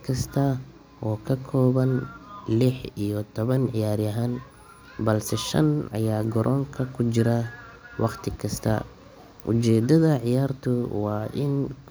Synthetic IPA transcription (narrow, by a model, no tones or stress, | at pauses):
kʰɐst̪ʰɐ | ʔɔːkʰɐkʰɔːβɐnlɪħijɔt̪ʰɔβɐnʕɪjaːɾjɐɦaːn | bɐlsɛʃɐ̰nɐ̰jaːɡɔɾʔɔːŋkʰɐkʰʊt͡ʃɪɾɐwʔɑqt̪ʰɪkʰɐst̪ʰɐ̰ | ʔʊ̰t͡ʃɛːd̪ɐðɐʕɪjaːrt̪ʰʊwɑːʔɪn